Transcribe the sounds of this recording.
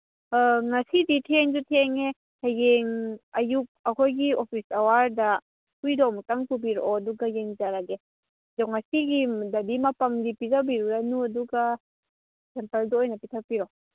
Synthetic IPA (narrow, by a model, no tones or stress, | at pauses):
ŋasiditʰieŋzutʰieŋe | hajeŋɐjuk̚ɐkʰojɡiopʰisawaɾda | pujdɔmtaŋpubiɾɔːduɡajeŋzaɾaɡe | dɔŋasiɡidabimapamdipizabiɾuɾanuɐduɡa | sempɐldɔojnɐpitʰapiɾɔ